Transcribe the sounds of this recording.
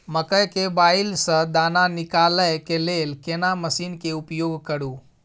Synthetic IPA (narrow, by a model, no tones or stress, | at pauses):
məkəjkebailsə̃d̪ananikaləjkelelkenaməsinkeupjoɡkəɾu